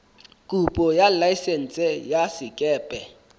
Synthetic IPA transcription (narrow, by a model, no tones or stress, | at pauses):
kʼupʼɔjalaisen̩t͡sʼɛjasɪkʼɛːpʼɛ